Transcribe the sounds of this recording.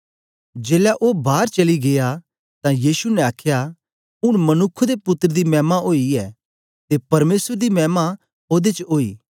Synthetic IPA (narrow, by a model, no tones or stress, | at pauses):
d͡ʒeːlɛʔoːbaːɾt͡ʃɐliɡea | t̪ãjiːsunɛ̃aːkʰja | ʊɽ̃mɐnʊkʰːd̪epʊt̪ːəɾəd̪imɛːmaʔoːiɛː | t̪epɐɾmeːsəɾd̪imɛːma | oːd̪et͡ʃoːḭː